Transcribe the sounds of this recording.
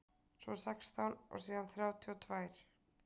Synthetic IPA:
sɔ̰sɛkst̪awlɔ̰ɣsiːðanθɾjaːwt̪ʰiɔt̪ʰvaːjɾ̥

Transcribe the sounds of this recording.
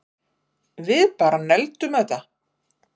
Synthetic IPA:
vɪðpaːɾanɛlt̪ʏmɛt̪ːa

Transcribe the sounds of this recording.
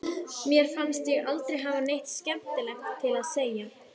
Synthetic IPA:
mjɛɾ̥fanst̪jɛɣalt̪ɾejɦaːvanejht̪scɛmt̪ɪlɛxt̪ʰːɪlaðseːja

